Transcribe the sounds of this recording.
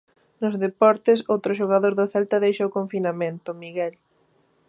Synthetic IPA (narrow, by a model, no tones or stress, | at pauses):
nʊzðepɔɾt̪ɪsowt̪ɾʊʃ̬oɣaðoɾðʊθɛlt̪ɐðejʃaokoɱfinamẽnt̪ʊmiɣɛl